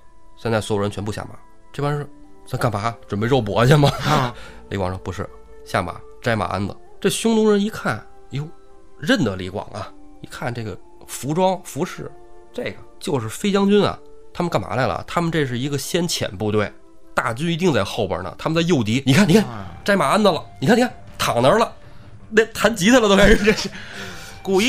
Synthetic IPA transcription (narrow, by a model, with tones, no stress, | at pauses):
ɕjnt͡sswo˨˩ʊə˧˥nt͡ɕʰɥɛ˧˥mpu˥˧ɕja̰˥˩ma̰˨˩˦ | ʈ͡ʂe˥˩ba˥ʂɻ̩˥˧sa˧˥ŋka˥˩npa˧˥ʈ͡ʂwə˨˩npe˥˧ɪɻo˥˩ʊp̬wɔ˧˥ɕja˥˩mɐ˩ | lḭ˧˥kwɑ˨ŋʂɤ˧ŋpu˧˥ʂɻ̩˥˩ | ɕja̰˥˩ma̰˨˩˦ʈ͡ʂa˥ɪma̰˨˩a̰˥nd̪ə̰˨ʈ͡ʂə˩ɕʊ˥ŋt̪ʊ˧˥ŋɻə˧˥ni˧˥kʰa˥˩n | jo˧˩ʊ | ɻə˥˩nd̪ə˩lḭ˧˥kwɑ̰˨˩ŋɐ˧ḭ˧˥kʰa˥˩nʈ͡ʂɤ˥˩ɡə̰˩ | fu˧˥ʈ͡ʂwɑ˥ŋfu˧˥ʂɻ̩˥˩ | ʈ͡ʂe˥˩ɪɡə˩t͡ɕjo˥˧ʊʂɻ̩˥˩fe˥ɪt͡ɕjɑ˥ŋt͡ɕy˥nɐ̰˨t̪ʰa˥mə˧nka˥˩nma̰˨˧˥la˧˩ɪlə̰˩t̪ʰa˥mə˨nʈ͡ʂe˥˧ʂ̬ɻ̩˥˩i˧˥ɡə˧ɕjɛ˥nt͡ɕʰjɛ̰˨˩npu˥˧t̪we˥˩ɪ | t̪a˥˩t͡ɕy˥ni˧˥t̪i˥˧ŋt͡sa˥˧ɪxo˥˩ʊpə̰˨˩nə̰˨˩t̪ʰa˥mə˨nt͡sa˥˧ɪjo˥˩ʊt̪i˧˥ni˨˩kʰa˥˩ni˨˩kʰnʈ͡ʂa˥ɪma˨˩a˥nd̪ə˨lə̰˨˩ni˨˩kʰni˨˧kʰa˥˩n | t̪ʰɑ˨˩ŋnə˞˧˥lə˧ | nɛ˥˧t̪ʰa˧˥nt͡ɕi˧˥t͡sʰa˥˩lət̪o˥kʰa˥˧ʈ͡ʂe˥˧ʂ̩˥˩ | ku˨˩˥